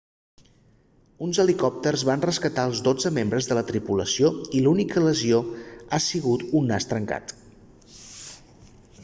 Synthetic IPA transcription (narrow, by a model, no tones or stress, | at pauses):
unzəlikɔp̚t̪ərzβanrəskət̪aəlˠzd̪od͡zəmembɾəzðələt̪ɾipuləsioilunikələzioasiɣut̪unːast̪ɾəŋka̰t̪